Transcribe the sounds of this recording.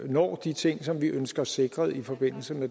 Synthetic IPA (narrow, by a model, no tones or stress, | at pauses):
nɒ̰ːd̥it͡sʰe̝ŋ̰sɒ̽mʋiʔønsɡ̥ɐse̝ɡ̥ʁɐðˠifɒ̽b̥e̝n̰l̩səme